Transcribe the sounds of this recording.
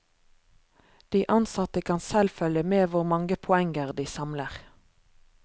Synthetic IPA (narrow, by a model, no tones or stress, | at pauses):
d̪̥iːʔɑnsɑt̪əkʰɑnsɛlfœljəmeːʋʊʁmɑŋɡəpʰʊɛŋəʁd̪iːsɑmləʁ